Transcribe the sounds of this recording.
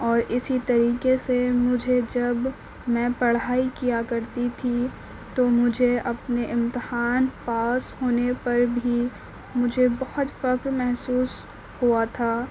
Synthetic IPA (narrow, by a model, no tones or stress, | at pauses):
ɔːɾʔɪsit̪ɐɾiːkesemʊd͡ʒʱed͡ʒɐb | mɛ̃ːpɐɽ̤ɦaːikijakɐɾt̪it̪ʰi | t̪omʊd͡ʒʱeʔɐpneʔɪ̃mt̪ɪhaːnpaːshoːnepɐɾbʱi | mʊd͡ʒʱebɐhʊt̪fɐkɾmɛɦsuːs | huat̪ʰaː